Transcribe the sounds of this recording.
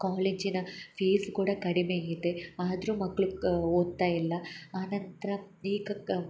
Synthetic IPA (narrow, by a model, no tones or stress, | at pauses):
kaːleːd͡ʒinɐfeːskuːɽɐkɐɽimeːɐjid̪eaːd̪ɐɾuːmɐkːɐɭuoːd̪t̪ːaːjilːɐaːnɐnt̪ɐɾɐ | iːkɐ